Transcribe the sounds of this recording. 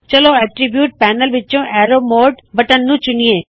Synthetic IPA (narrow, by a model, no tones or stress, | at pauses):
t͡ʃɐloɛʈɾibjuːʈ̚pɛːnəlʋɪõʔɛːɾoːmoːɖbɐʈənːũt͡ʃʊnijẽː